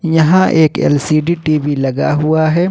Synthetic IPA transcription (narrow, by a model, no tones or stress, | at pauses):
jɐɦãʔeːkḛlsiːɖiːʈiːbilɐɡa̰ːɦʊwaːɦɛː